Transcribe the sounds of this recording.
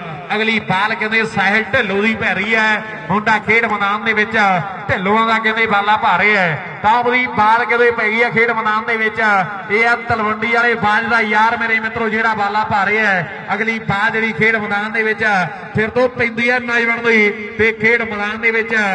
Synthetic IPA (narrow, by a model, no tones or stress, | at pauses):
əɡliːbaːlkɛ̃nd̪eːsaːɦəlʈɛːlõːziːpɛːɾiːɛː | ɦʊɳɖaːkʰeːʈməd̪aːnd̪eːʋɪt͡ʃː | ʈɛːlõːãːd̪aːkɛ̃nd̪eːbaːlaːpaːɾeːɛː | t̪ãːd̪iːbaːlkɛ̃d̪eːpɛːɡiːaːkʰeːʈməd̪aːnd̪eːʋɪt͡ʃː | eːət̪əlʋəɳɖiːaːleːbaːd͡ʒd̪aːjaːɾmeːɾeːmɪt̪ɾõːd͡ʒeːɽaːbaːlaːpaːɾeːɛː | əɡliːbaːld͡ʒeːɽiːkʰeːʈməd̪aːnd̪eːʋɪt͡ʃː | pʰɪɾt̪õːpə̃nd̪iːɛːmãːiːbəɳd̪oiː | t̪eːkʰeːʈməd̪aːnd̪eːʋɪt͡ʃ